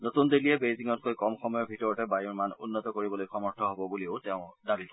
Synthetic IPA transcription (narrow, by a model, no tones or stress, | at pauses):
notundiliɛbejziŋɔt̚kojkɔmxɔmɔjɔɹbʱitɔɹɔtɛbajuɹmanṵnːɔtɔkoɹibɔlojxɔmɔɹtʰɔɦobɔbuliʊtɛʊ̃dabikɔ